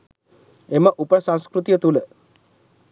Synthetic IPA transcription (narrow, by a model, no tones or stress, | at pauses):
eməʔupəsãñskɾut̪ijət̪ulə